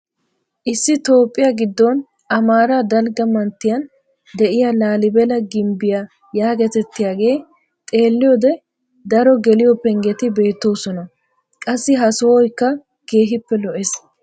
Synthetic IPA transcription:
ʔɪsːɪt̪o̞ːpʼːɪjaɡɪd̪ːon | ʔɐmaːɾad̪ɐlɡɐmɐnt̪ːɪjɐn | d̪ɛʔɪjalaːlɪbɛlɐɡɪmbɪja | jaːɡɛt̪ɛt̪ːɪjaːɡe̞ː | t̪ʼe̞ːlːɪjoːd̪ɛ | d̪ɐɾɔɡɛlɪjɔpːɛŋɡɛt̪ɪbe̞ːt̪ːo̞ːsɔnɐ | kʼɐsːɪɦɐsɔwɔjkːɐ | ɡ̥e̞ːɦɪpːɛlɔʔes

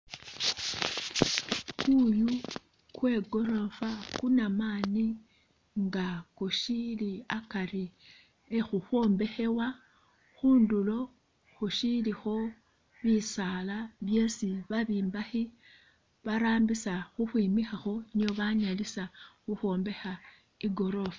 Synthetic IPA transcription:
kuju | kwe̞ːɡo̞ɾo̞fakunamaːni | ŋɡakoʃiliakaɾi | exuxwo̞ːmbe̞xe̞wa | xuːndulo̞ | xoʃilixo̞ | βisalaβje̞siβaβiːmbaxi | βaɾaːmbisaxuxwiːmixaxo̞nioβaɲalisaxuxo̞ːmbe̞xa | iɡo̞ɾo̞fa

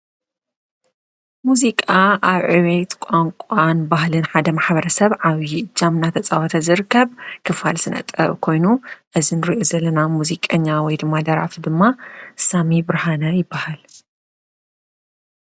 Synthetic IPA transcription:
muzikʼaaβʕɨβet̪kʷʼaŋkʷʼanbahlɨnħad̪ɐmaħbɐɾɐsɐβʕaβiɨd͡ʒːamnat̪ʰɐt͡sʼawɔt̪ʰɐzɨɾɨkʰːɐβkʰɨfa̰lsɨnʔɐ̰t̪ʼɐ̰βkʰo̞jnuʔɨzinɨɾiʔo̞zɐlːɐnamuzikʼɐɲːawɔjd̪ɨmːad̪ɐɾa̰fd̪ɨmːasamibɾhanɐjɪbːahal

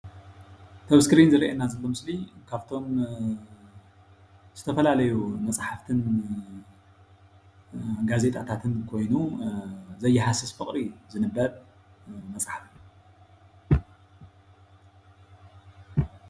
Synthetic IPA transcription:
t̪ʰɐβskʰɨɾinzɨɾiʔenːazɐlːomɨslikʰaβt̪ʰo̞m | z̥ɨt̪ʰɐfɐlalɐjumɐt͡sʼħaft̪ʰɨn | ɡaze̞t̪ʼat̪ʰat̪ʰɨnkʰo̞jnu | zɐjːɛħasɨsfɨχʼɾizɨnɨbɐɾ | mɐt͡sʼħafɨn

